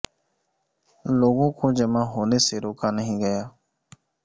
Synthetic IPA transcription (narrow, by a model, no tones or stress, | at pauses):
loːɡõkoːd͡ʒəmãːɦoːneseɾoːkaːnəɦĩɡəjaː